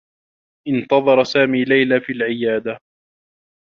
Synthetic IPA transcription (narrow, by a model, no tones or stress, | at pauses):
ʔɪnt̪ɑðˤɑɾˤɑsaːmiːlajlaːfiːlʕɪjaːd̪a